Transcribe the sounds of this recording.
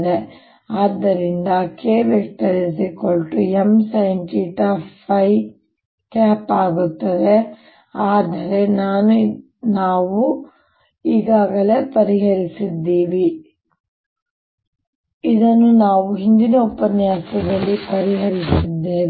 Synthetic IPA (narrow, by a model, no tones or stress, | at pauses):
d̪e | aːd̪ːɐɾind̪ɐkeːʋekt̪ɐɾis̬ikoɭʈuemsɐjɳʈiʈɐːpʰɐj | kaːpaːɡut̪ːɐd̪e̞ | aːd̪ɐɾe̞naːnu | naːʋu | iːɡaːɡɐle̞ːpɐɾiɦɐɾisid̪ːiːʋi | id̪ɐnːunaːʋuɦind̪inɐupɐnjaːsɐɡɐɭːipɐɾiɦɐɾisid̪ːeː